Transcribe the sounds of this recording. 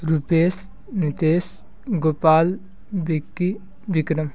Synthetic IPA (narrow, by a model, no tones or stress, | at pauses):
ɾupeːs | nit̪eːs | ɡoːpaːl | bikːi | bikɾɐm